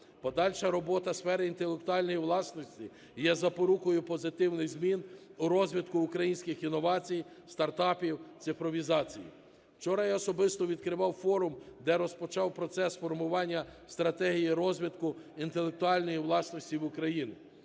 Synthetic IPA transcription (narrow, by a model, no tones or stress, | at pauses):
pɔd̪ɑlʲʃɐɾɔbɔt̪ɐsfɛɾɪint̪elˠek̚t̪ʊɑlʲnɔjiwlˠɑsnɔsʲtʲi | jɛzɐpɔɾukɔjʊpɔzɪt̪ɪwnɪɣzmʲinʊɾɔzʲʋʲid̪kʊːkɾɐjinʲsʲkɪxinɔʋɑt͡sʲij | st̪ɐrt̪ɑpʲiwt̪sɪfɾɔʋʲizɑt͡sʲijḭ | wt͡ʃɔɾɐjaɔsɔbɪst̪ɔʋʲid̪kɾɪʋɑwfɔɾʊmd̪ɛɾɔspɔt͡ʃɑwpɾɔt̪sɛsfɔrmʊʋɑnʲːɐst̪ɾɐt̪ɛɦijiɾɔzʲʋʲid̪kʊint̪elˠek̚t̪ʊɑlʲnɔjiwlˠɑsnɔsʲtʲiwʊkɾɐjinɪ